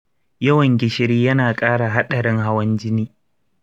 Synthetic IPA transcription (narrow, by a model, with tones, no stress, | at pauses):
jɐ˦wɐ˨ŋɡʲɪ˨ʃɪ˦ɾiː˦jɐ˦naː˨kʼaː˦ɽa˨ɦa˦ɗɐ˨ɾɪ˦ŋɦa˦wɐ˦nd͡ʒɪ˦niː˦